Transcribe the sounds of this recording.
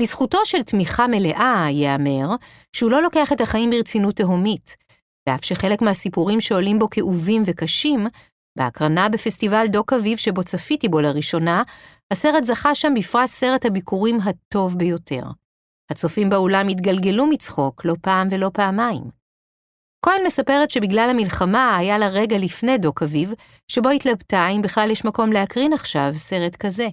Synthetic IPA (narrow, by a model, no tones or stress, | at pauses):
lisχuto̞ʃeltmiχame̞le̞ʔajeame̞ʁ | ʃehulo̞lo̞ke̞aχe̞thaχaimbiʁet͡sinutːeɦo̞mit | v̥eafʃeχe̞lekmeɦasipuʁimʃe̞o̞limbo̞keʔuvimve̞kaʃim | beakʁanabefestivaldo̞kavivʃebo̞t͡safitibo̞laʁiʃo̞na | hase̞ʁetzaχaʃambifʁatse̞ʁethabikʰuʁimɦato̞vbejo̞tʰe̞̰ʁ | hat͡sofimbeolamitɡalɡe̞lumit͡sχo̞klo̞paːmve̞lo̞paːmaim | ko̞elme̞sape̞ʁetʃe̞biɡlalhamilχamaːjalaʁe̞ɡalifne̞jdo̞kaviv | ʃebo̞itlabtaimbiχlaljeʃmako̞mle̞akʁinaχʃavse̞ʁe̞tkaze̞